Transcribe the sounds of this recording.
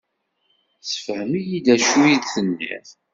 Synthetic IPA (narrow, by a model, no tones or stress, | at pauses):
sə̥fhəmijid̪æʃujiðθənːḭθ